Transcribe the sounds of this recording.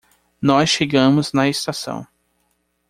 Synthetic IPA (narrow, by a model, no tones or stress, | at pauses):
nɔsʃeɡɐ̃mʊznɐest̪asɐ̰̃w̃